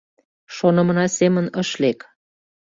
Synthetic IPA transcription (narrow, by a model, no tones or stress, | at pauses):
ʃonə̆mə̆nɑsemənəʃlek